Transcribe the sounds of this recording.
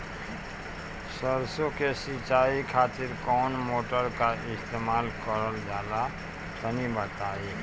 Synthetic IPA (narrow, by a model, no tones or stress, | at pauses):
səɾsokesit͡ʃaikʰaːt̪ɪɾkɔːnmoːʈəɾkaɪst̪eːmaːlkəɾəld͡ʒaːla | t̪ənibət̪ai